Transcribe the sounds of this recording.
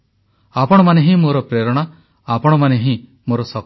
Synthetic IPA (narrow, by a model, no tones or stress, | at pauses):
apɔɽ̃ɔmaneɦĩmoɾɔpɾeɾɔɽ̃a | apɔɽ̃ɔmaneɦĩ | moɾɔsɔk